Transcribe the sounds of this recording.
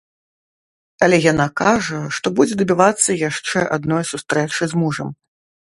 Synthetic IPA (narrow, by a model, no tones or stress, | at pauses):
ɐlʲɛjanakaʐɐʂt̪ɔbud͡zʲɛd̪ɐbʲivat̪sːɐjaʂt͡ʂɛʔad̪nɔjsust̪ɾɛt͡ʂɨzmuʐɐm